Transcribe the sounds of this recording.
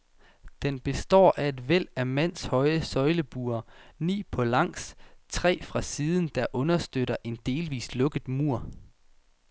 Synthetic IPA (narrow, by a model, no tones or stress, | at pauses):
d̥enb̥e̝sd̥ɒ̰ːʔæe̝d̥ʋel̰æmæn̰shɒ̽ɪəsɒ̽ɪləb̥uːɐnḭːpʰɒ̽lɑ̈ŋ̰st͡sʰʁɛ̰ːfʁɑ̈siːð̞ˠən̩d̥ɑ̈ʔɔ̽nɐsd̥øɾɐʔe̝nd̥e̝ːlʋḭːslɔ̽ɡ̥ð̩ˠmuɐ̰